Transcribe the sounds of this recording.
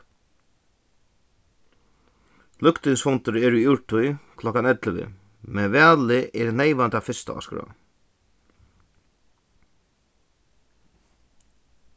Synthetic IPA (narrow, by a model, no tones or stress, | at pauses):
lʏkt̪ɪŋsfɔnt̪ʏɾɛɾujɪwɹʈʰʊjkʰlɔkanɛt̪ləʋɪ̰ | mɛnvæːlɪʔɛɾnejʋant̪afɪst̪a̰ɔ̰skɾa̰